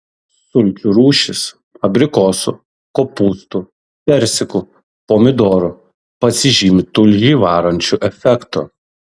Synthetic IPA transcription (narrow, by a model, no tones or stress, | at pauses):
sʊlʲkʲuɾuːʃʲɪs | ɐbʲɾʲɪkoːsʊ | koːpuːst̪ʊ | pʲɛɾʲsʲɪkʊ | poːmʲɪd̪oːɾʊ | pɐsʲɪʒʲiːmʲɪt̪ʊlʲʒʲiʋɑːɾɐnʲt͡ʃʲuʔɛfʲɛkt̪ʊ